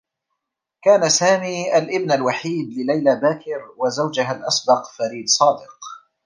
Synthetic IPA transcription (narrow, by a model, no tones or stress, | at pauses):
kaːnasaːmiːʔalʔɪbnalwaħiːd̪lɪlajlabaːkɪɾwazawd͡ʒaɦalʔɑsbɑqfaɾiːd̪sˤɑːd̪ɪq